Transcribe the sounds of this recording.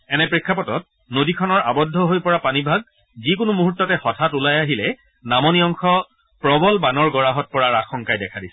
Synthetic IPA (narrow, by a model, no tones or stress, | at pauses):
ɛnɛpɹikʰːapɔtɔt̚ | nodikʰɔnɔɹa̰bɔdʱːɔɦojpɔɹapanibʱaɡ̚ | zikʊnumuɦutːɔtɛhɔtʰatulajaɦilɛ | namɔnijɔŋxɔ | pɹɔbɔlbanɔɹɡɔɹaɦɔt̚pɔɹaɹaxɔŋkajdɛkʰadisɛ̥